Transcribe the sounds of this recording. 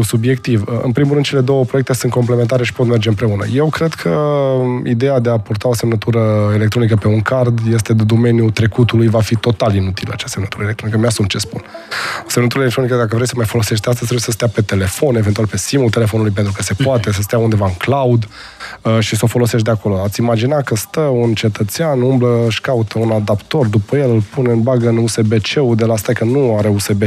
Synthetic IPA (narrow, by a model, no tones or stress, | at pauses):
subje̞kt̪ivəɨ̰npɾimulɾɨnd̪t͡ʃe̞le̞d̪o̞wəpɾoek̚t̪esɨnt̪ko̞mplement̪aɾe̞ʃi̥po̞t̪me̞rd͡ʒe̞ɨmpɾe̞unə̰je̞wkɾe̞d̪kʰə | id̪e̞jad̪e̞apurt̪ao̞se̞mnət̪uɾəelekt̪ɾo̞nikəpe̞uŋkard̪je̞st̪e̞d̪ed̪o̞me̞njut̪ɾe̞kut̪ulujvafit̪o̞t̪alinut̪ilə̰a̰t͡ʃasemnət̪uɾəelekt̪ɾonikəmeasumt͡ʃe̞spṵnse̞mnət̪uɾlelek̚t̪ɾonikəd̪akəvɾejsəmajfo̞lo̞seʃ̬t̪̚d̪east̪əz̥ʲt̪ɾebujesəs̬t̪eape̞t̪e̞le̞fo̞ne̞vent̪ualpe̞simult̪e̞le̞fo̞nulujpe̞nt̪ɾukəse̞poat̪e̞s̬əs̬t̪eaund̪e̞vaɨŋklaud̪ | əʃisəo̞fo̞lo̞seʃt̪d̪eako̞lo̞at̪sʲimad͡ʒinakəst̪əunt͡ʃe̞t̪ət̪seanumbləʃkaut̪ʰəunad̪apt̪o̞rd̪upəjelɨlpuneɨnbaɡəɨnuse̞be̞t͡ʃe̞ud̪e̞last̪ajkənuaɾe̞use̞be